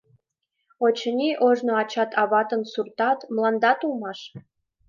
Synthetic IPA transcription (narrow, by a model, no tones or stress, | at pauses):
ot͡ɕənʲiʔoʒnoɑt͡ɕɑt̪ʰɑβɑt̪ə̆nsurt̪ɑt̪mlˠɑnd̪ɑt̪ulˠmɑʃ